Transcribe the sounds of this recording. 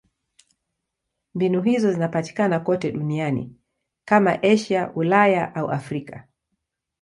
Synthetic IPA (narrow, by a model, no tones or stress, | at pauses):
mbinuɦizɔzinapati̥kanakɔtɛɗunianḭ | kama̰ʔɛʃaulajaʔaṵʔa̰fɾika